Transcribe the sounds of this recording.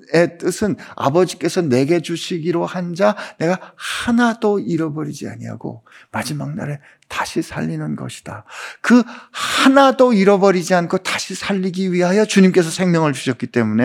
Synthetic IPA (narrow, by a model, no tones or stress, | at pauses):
e̞t͈ɯsʰɯna̰bʌd͡ʑik͈e̞sʰʌne̞ɡe̞d͡ʑuɕʰiɡiɾohand͡ʑane̞ɡahanadoiɾʌbʌɾid͡ʑia̰ɲiɦa̰ɡo̰ | mad͡ʑimaŋ̚na̰ɾe | tḁɕʰisʰaʎːinɯnɡʌ̰ɕʰi̥d̥akɯhanadoiɾʌbʌɾid͡ʑiankʰotaɕʰisʰaʎːiɡiɥiɦajʌt͡ɕuɲimk͈e̞sʰʌsʰe̞ŋmjʌŋɯɭt͡ɕuɕʰʌk͈it͈e̞mune̞